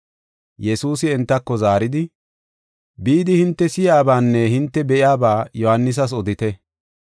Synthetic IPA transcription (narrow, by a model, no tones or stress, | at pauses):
jɛsuːsɪɛnt̪ːɐkːɔzaːɾɪd̪ɪ | biːd̪ɪhɪnt̪ːɛsɪjaːbaːnːɛhɪnt̪ːɛbɛʔɪjaːbaːjɔhanːɪs̬ɐs̬ɔd̪ɪt̪ɛ